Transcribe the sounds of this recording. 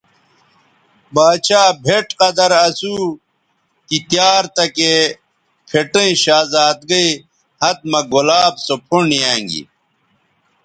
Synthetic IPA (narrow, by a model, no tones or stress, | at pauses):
baːt͡ɕaːbʱeʈqɐd̪ɐɾɐsu | kit̪jaːɾt̪ɐke | pʰeʈɐ̃ĩɕaːzaːt̪̚ɡɐi | hɐt̪̚mɐɡolaːbsopʰoɳijaːŋɡḭ